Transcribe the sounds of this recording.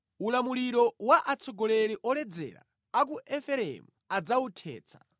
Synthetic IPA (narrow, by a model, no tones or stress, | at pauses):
ulamuliɾɔwaʔat͡sʰɔɡɔlɛɾiʔɔlɛd͡zɛ̰ɾa̰ | akuʔɛfɛɾɛ̰muad͡zautʰɛ̰ːt͡sʰḁ̰